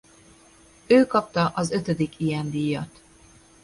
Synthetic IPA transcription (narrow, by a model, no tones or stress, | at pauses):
øːkɒp̚t̪ɒʔɒzø̞t̪ød̪ikʰijɛnd̪iːjːɒt̪